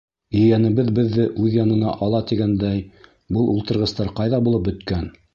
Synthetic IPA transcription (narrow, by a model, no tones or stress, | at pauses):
ɵ̆jænɘ̆βɘðbɘðːɘʔʉðjɑnɤ̆nɑ̰ʔɑlˠɑt̪iɡænd̪æj | bɤlˠʔulˠt̪ɤ̆ɾʁɤ̆st̪ɑɾqɑjðɑbulˠɤp̚bɵ̆t̪kæn